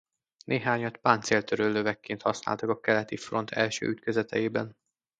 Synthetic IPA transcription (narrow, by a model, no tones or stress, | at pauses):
nʔeːɦaːɲɒt̪paːnt̪seːlt̪øɾøːlːøvɛkːeːnt̪hɒsna̰ːlt̪ɒkɒkɛlɛt̪ifro̞nt̪ʰɛlʃø̰ːyt̪køzɛt̪ʰɛjeːbɛn